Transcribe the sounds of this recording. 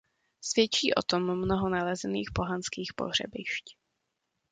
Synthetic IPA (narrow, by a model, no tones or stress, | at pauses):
svjɛt͡ʃiːʔo̞̰t̪omːnoɦonalɛzɛniːxpo̞ɦanskiːxpo̞̰ɦr̝ɛ̰bɪʃc